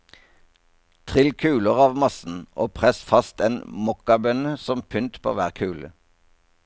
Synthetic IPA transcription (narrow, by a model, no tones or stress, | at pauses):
t̪ʰʁɪlkʰʉːləʁɑːʋmɑsn̩ʔoːpʰʁɛsfɑst̪eːnmɔkɑbœnəsɔmpʰʏnt̪pʰo̰ːʋæːʁkʰʉːlə̰